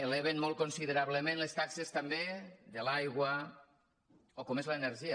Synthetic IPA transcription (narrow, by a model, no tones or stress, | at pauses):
eleβ̞enmolˠkonsiðeɾaβ̞ləmẽnlest̪aksest̪ambeðelajɣwa | okomezlaːneɾʒi